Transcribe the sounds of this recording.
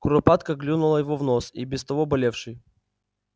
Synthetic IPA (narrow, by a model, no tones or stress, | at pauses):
kʊɾɐpat̪kəɡlʲunʊlˠəjɪvovnosibʲɪst̪ɐvobɐlʲefʂɨj